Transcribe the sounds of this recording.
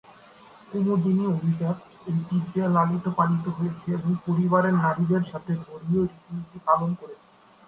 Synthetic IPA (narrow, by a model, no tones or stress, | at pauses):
umuɾd̪iniobʱid͡ʑaɾ | eɾpiɾd͡ʑelalit̪opanit̪oɦojet͡ɕʰeeboŋpoɾibaɾeɾnaɾid̪eɾʃat̪ʰeɡʱoɾioɾit̪imiʈ̪ipalonkoɾet͡ɕʰe̥